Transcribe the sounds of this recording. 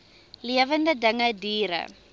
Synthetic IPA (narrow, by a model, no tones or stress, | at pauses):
lijavandadaŋadiːɾa̰